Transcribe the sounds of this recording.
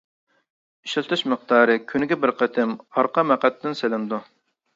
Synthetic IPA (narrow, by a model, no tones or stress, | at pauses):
iʃɪlt̪ʰɨʃməq̚t̪ɑːɾɨkʲʰynɪɡʲɛbɪɾqʰɛt̪ʰɪmɑɾqɑmɛqɛt̪ʰːɪnselɪmd̪u